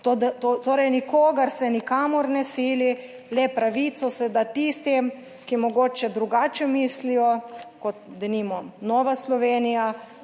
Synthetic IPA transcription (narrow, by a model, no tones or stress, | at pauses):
t̪od̪t̪ot̪oːɾɛjnikoːɡaɾsɛnikaːmɔɾnɛsiːli | lɛpɾaʋiːt̪sɔsɛd̪at̪ist̪im | kimɔɡoːt͡ʃɛd̪ɾuɡaːt͡ʃɛmiːslijɔkɔt̪d̪ɛnimɔnɔːʋaslɔʋeːnija